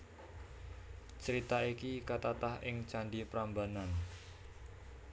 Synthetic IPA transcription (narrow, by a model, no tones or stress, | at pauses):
t͡ʃəɾit̪aikikət̪at̪ahɪŋt͡ʃanɖipɾambanan